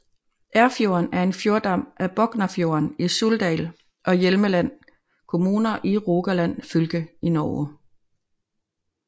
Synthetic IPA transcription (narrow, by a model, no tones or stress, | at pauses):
ʔæɐfjo̝ɐnæɐe̝nfjo̝ɐd̥ɑ̈m̰ʔæb̥ɒ̽ɡ̥nɐfjo̝̰ːɐnisuld̥ɛ̰ːl | ʔɒ̽jelməlæn̰ | kʰo̝muːnɐʔiʁo̝ːɡ̥ælæn̰fylɡ̥əinɒː